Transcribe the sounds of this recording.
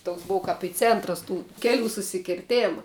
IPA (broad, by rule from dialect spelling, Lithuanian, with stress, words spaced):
toːks ˈboːw kɐp ɪ ˈt͡sʲeːntrɐs tuː ˈkʲæːˌlʲuː sʊsʲɪkʲɪrʲˈtʲeːmɐ